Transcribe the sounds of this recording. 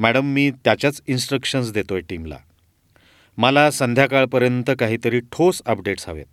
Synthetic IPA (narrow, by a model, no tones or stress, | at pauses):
mæɽəmːiːt̪jat͡ɕjat͡sinsʈɾəkʂəns̬d̪et̪ojeʈimla̰ | məlasənd̪ʱjakaɭpəɾjənt̪əkaɦiːt̪əɾiːʈʰosəp̚ɖeʈsa̰ʋḛt̪̚